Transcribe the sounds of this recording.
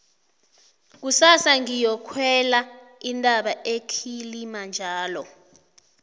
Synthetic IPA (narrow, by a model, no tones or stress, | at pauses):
k̬usasaŋijɔkʰwɛla | indʱʼaɓaekʰilimand͡ʒʱaːlɔ